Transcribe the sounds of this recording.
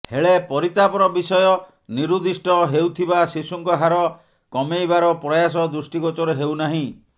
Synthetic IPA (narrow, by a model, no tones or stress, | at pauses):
heɭepɔɾit̪apɔɾɔbisɔjɔ | niɾud̪isʈɔɦewt̪ʰibasisuŋkɔɦaɾɔ | kɔmejbaɾɔpɾɔjas̬ɔd̪usʈikɔt͡ʃɔɾeɦewnaɦĩ